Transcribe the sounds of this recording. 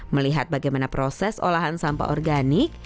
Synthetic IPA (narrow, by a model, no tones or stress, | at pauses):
məliɦat̪̚baɡajmanapɾosɛso̰laɦansampa̰ʔɔrɡanɪk̚